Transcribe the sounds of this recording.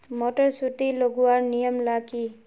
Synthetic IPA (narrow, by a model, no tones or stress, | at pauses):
moʈɔɾsut̪iloɡuwaɾnijəmlaki